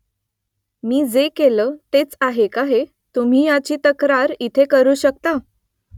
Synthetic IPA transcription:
miːd͡zekeləːt̪et͡saɦekaɦe | t̪um̤iːjat͡ɕiːt̪əkɾaɾit̪ʰekəɾuːɕək̚t̪a

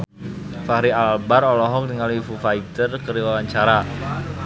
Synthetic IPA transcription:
faɾialbaɾɔlɔɦɔk̚dəŋalifufait̪ərkəɾiwawaɲt͡ʃaɾa

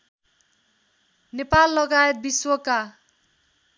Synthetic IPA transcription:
nepalːʌɡajet̪̚biswʌka

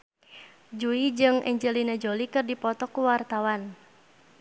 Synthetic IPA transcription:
d͡ʒuid͡ʒɨŋʔɛɲd͡ʒəlinad͡ʒolikɨrdipɔt̪ɔkuwart̪awan

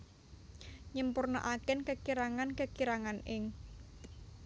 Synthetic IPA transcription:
ɲəmpurno̰ʔakɛnkəkiɾaŋankəkiɾaŋanɪŋ

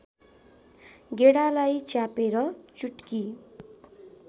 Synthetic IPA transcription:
ɡeɽalajt͡sjapeɾʌt͡suʈki

